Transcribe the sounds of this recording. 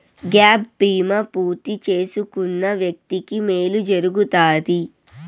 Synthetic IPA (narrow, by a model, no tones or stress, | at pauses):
ɡaːbːɾiːmɐpuːɾt̪it͡ʃe̞ːsukunːɐʋjɐk̚t̪ikime̞ːlud͡ʒɐɾuɡut̪aːd̪i